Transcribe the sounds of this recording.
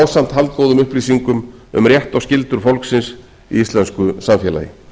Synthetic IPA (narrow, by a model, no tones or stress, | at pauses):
wsam̥t̪ɦalt̪̚koːwðʏmʏhpliːsiŋkʏmʏ̰mrjɛht̪awscɪlt̪ʏɾ̥fowlksɪns | ḭist̪lɛnskʏsamfjɛːla̰jɪ̰